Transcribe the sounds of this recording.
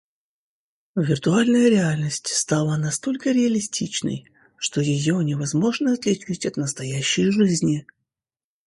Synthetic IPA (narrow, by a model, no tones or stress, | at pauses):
vʲɪrt̪ʊalʲnəjəɾʲɪalʲnəsʲtʲst̪alˠənɐst̪o̞lʲkəɾʲɪɐlʲɪsʲtʲit͡ɕnə̰j | ʂt̪o̞jɪjonʲɪvɐzmo̞ʐnəɐt̪lʲɪt͡ɕitʲɐt̪nəst̪ɐjæɕːɪjʐɨzʲnʲɪ